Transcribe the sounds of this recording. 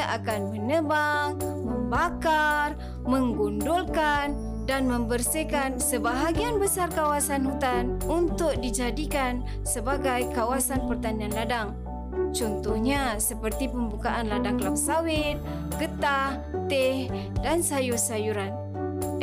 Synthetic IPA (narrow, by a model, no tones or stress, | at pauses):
aʔakanmənəbaŋməmbakar | məŋɡundulkan | danməmbərsikansəbaɦaɡianbəsarkawasanɦut̪anunt̪ʊk̚did͡ʒadikan | səbaɡajkawasanpərt̪anianladaŋ | t͡ʃɔnt̪uhɲasəpərt̪ipəmbukaʔanladaŋlapsawɪt̪̚ | kət̪ah | t̪ɛh | dansajusajuɾan